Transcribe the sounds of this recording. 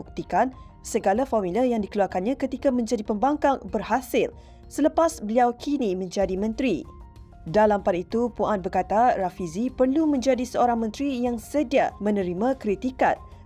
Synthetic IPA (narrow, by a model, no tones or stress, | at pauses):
uk̚t̪ikan | səɡalafɔrmiləjaŋdikəluarkanɲãkət̪ikamə̃ɲd͡ʒadipəmbaŋkaŋbərhasɪl | sələpasbəliawkʰinimə̃ɲd͡ʒadimə̃nt̪ɾi | dalampadit̪upuʔanbərkat̪arafizipərlumə̃ɲd͡ʒadisəoɾaŋmə̃nt̪ɾijaŋsədiamə̃nə̃ɾimãkɾit̪ika̰t̪̚